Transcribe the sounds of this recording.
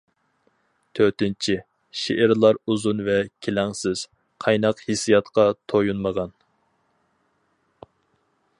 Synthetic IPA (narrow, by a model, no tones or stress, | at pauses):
t̪ʰøt̪ɪnt͡ʃʰɪ | ʃeʔɪɾlˠɑɾuzunvɛkʲʰelɛŋsɪz̥ | qʰɑjnɑqhisijɑt̪qɑt̪ʰojunməʁɑn